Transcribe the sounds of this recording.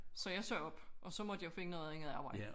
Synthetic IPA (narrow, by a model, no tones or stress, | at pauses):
sɒ̽jɑ̈ɪsɔɒ̽b̥ʔɒ̽sɒ̽mɒd̥ijoʊfe̝ŋənɔ̽ːðˠeŋð̩ˠɑ̈ːb̥ɑ̈ɪd